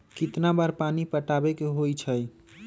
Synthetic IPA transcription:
kit̪nabaɾpanipəʈabekeɦojt͡ʃʰəj

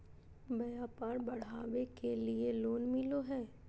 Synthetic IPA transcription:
bɐjaːpaːɾbɐɽ̤aːʋekelieloːnmɪloɦɛː

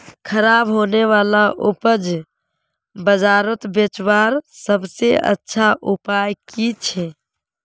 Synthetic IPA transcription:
kʰəɾaːbɦoːneʋaːlaʔʊpəd͡ʒ | bəd͡ʒaːɾət̪bet͡ʃwaːɾsəbseʔə̰tːʃʰaʔupaːjkit͡ʃʰe

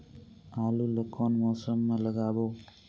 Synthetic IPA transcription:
alulʌkɔnmɔsʌmːalʌɡabo

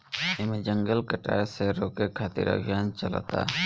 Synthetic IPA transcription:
ɪmẽd͡ʒəŋɡəlkəʈa̰ːɾseɾoːkekʰaːt̪ɪ̰ɾə̰ɡjaːnt͡ʃəla̰t̪a̰ː

